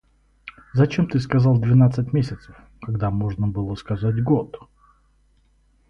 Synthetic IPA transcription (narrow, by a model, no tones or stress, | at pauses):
zɐt͡ɕemt̪ɨskɐzalˠd̪vʲɪnat̪sətʲmʲesʲɪt̪səf | kaɡd̪amoʐnəbɨlˠəskazatʲɡot̪